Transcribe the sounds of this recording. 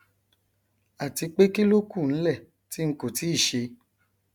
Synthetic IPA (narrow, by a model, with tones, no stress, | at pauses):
a˨ti˧k͡pe˦ki˦lo˦ku˦˨n̩˦lɛ˦˨ | ti˦ŋ̩˦ko˨ti˨˦i˦˨ʃe˧